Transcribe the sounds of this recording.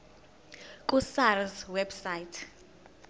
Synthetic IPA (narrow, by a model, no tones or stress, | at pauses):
kʼusarswɛbsajitʰ